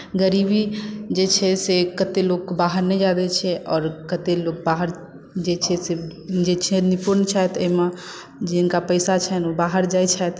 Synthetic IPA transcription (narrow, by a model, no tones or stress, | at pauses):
ɡəɾibid͡ʒet͡ʃʰɛsekət̪eloːɡ̚kbaːɦəɾnɛd͡ʒad̪et͡ʃʰɛʔɔːɾkət̪eloːɡ̚baɦəɾ | d͡ʒet͡ʃʰɛsed͡ʒet͡ʃʰɛnɪpuɾnt͡ʃʰɛt̪emã | d͡ʒɪnkapəɪsat͡ʃʰɛnobaːɦəɾd͡ʒaːjt͡ʃʰɛt̪